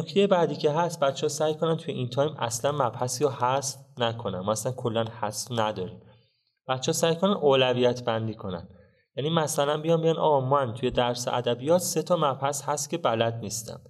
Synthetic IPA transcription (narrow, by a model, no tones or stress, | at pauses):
nocʰt̪ʰejebæːd̪iːcʰe̞ɦæst̪̚bæt̪t͡ʃʰehɔsæjkʰo̞nænt̪ʰujeʔint̪ʰɒːjmæ̰slænmæbhæsiɾɔhæsfnækʰo̞næ̰nmɒæslænkʰo̞lːænhæsfnæd̪ɒːɾiːm | b̥æt̪t͡ʃʰːesæjkʰonænʔoːlæviːjæt̪ʰbænd̪iːkʰo̞næ̰n | jæniːmæsælænbijɒːmbeɟænɒ̰ːmænt̪ʰuje̞d̪æɾseʔæ̰d̪æbijɒːt̪ʰse̞t̪ʰɒmæbhæshæst̪cʲʰe̞bælæd̪niːst̪æ̰m